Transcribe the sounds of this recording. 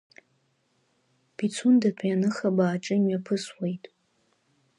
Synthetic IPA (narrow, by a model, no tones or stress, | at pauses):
b̥it͡sʰundapʷʰʼanɨχabaːʈ͡ʂʼɨmɥapʰɨswejtʼ